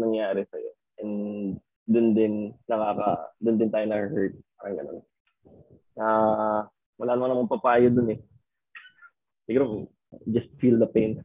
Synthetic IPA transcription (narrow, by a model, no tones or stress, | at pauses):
nɐŋjaːɾɛsɐjo̰ | ʔɛn | d̪ʊnd̪ɪnːɐkaːkɐ̰d̪ʊnd̪ɪnt̪aːjonɐkəhɛɹt̪̚paːɾɐŋɡɐ̰no̞̰n | ʔa | wɐlaːnɐmɐŋnɐmɐmpɐpaːjod̪ʊnɛ | sɪɡuɾp | d͡ʒɐst̪fild̪ɐpejn